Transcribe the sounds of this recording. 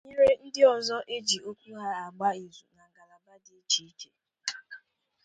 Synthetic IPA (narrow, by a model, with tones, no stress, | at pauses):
ɲi˦ɾe˦n̩˦dɪ˦ɔ˨zɔ˦ʔe˦d͡ʒi˨o˦kʷu˦ɦa˦a˨ɡ͡ba˦i˨zṵ˨na˨ŋ˨ɡa˨la˨ba˦dɪ˨e˦t͡ʃi˨˦i˦ke˦